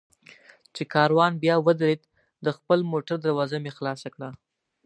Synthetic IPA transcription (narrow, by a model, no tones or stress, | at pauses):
t͡ʃekɑɾwɑnbjɑwəd̪ɾed̪ | d̪əxpəlmoʈaɾd̪aɾwɑzamexlɑsakɽa